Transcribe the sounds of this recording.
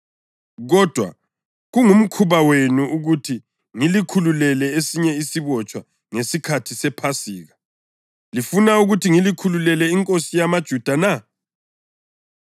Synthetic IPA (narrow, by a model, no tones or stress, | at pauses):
ɣɔd̥ʱwa̰ | ɣuŋum̩kʰuβawenuuɣutʰi | ŋilikʰululɛlɛesiɲɛisiβɔt͡ʃʼwa | ŋesikʰatʰisɛpʰasiːɣa | lifunauɣutʰiŋilikʰululɛlɛiŋkʼosijamad̥ʒ̥ʱud̥ʱana